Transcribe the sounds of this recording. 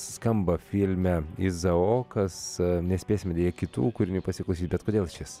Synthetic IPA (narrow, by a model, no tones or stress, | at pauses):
skɐmbɐfʲɪlʲmʲɛɪzɐoːkɐsnʲɛsʲpʲeːsʲɪmʲɛd̪ʲeːjɛkʲɪt̪ṵːkʊɾʲɪnʲuːpɐsʲɪklˠɐʊsʲiːt̪ʲbʲɛt̪koːd̪ʲeːlˠʃʲɪs